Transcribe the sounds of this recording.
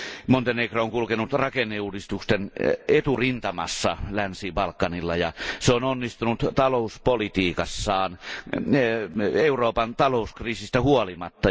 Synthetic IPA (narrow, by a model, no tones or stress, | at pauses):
mont̪enekrooŋkulkenut̪rɑkenːeuːdist̪ukst̪enet̪urint̪ɑmɑ̰sːɑ̰lænsiːbɑlkːɑnilːɑjɑseononːist̪unut̪t̪ɑlouspolit̪iːkɑsːɑːn | euroːpɑnt̪ɑloˑuskriːsist̪æhuolimɑt̪ːɑ